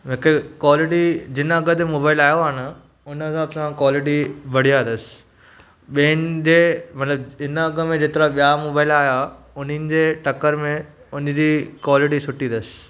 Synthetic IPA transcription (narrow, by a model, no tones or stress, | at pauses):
ɦɪkekwaːlɪʈid͡ʑɪnɐɡəd̪emoːbaːɪlaːjoaːnə | ʊnɦɐzaːbsãkwaːlɪʈ̬ibʱɐɽ̤ijand̪əsɪ̥ | ɓinɪ̆d͡ʑeːmɐt̪ləbɪnɐɡə̆mẽd͡ʑeːt̪ɪɾaɓijamoːbaːɪlaːja | ʊnɪnɪ̆d͡ʑeːʈɐkəɾmẽ | ʊnɪ̆d͡ʑiːkwaːlɪʈisʊʈĩnd̪əsɪ̥